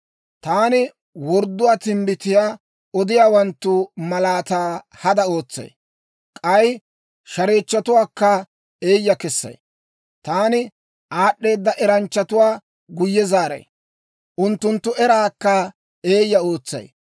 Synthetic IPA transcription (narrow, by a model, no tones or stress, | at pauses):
t̪aːnɪ | wɔɾd̪ːʊwaːt̪ɪmbɪt̪ɪjaː | ɔd̪ɪjaːwɐnt̪ːʊmɐlaːt̪aː | hɐd̪ɐo̞ːt͡sːɐ̰j | kʼɐj | ʃɐɾeːt͡ʃːɐt̪ʊwaːkːɐ | e̞ːjːɐkɛsːɐ̰j | t̪aːnɪ | ʔaːɗːe̞ːd̪ːɐʔɛɾɐnt͡ʃːɐt̪ʊwaː | ɡʊjːɛzaːɾɐ̰j | ʔʊnt̪ːʊnt̪ːʊɛɾaːkːɐ | e̞ːjːɐo̞ːt͡sːɐ̰j